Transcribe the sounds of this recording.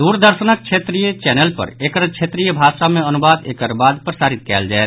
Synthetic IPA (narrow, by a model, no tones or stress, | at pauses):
d̪uɾd̪əɾʃənək̚t͡ʃʰet̪ɾijət͡ʃɛnəlpə̰ɾekəɾt͡ʃʰet̪ɾijəbʱaʃameənubad̪ḛkəɾbad̪pɾəsaːɾit̪̚kɛːld͡ʒaɛt̪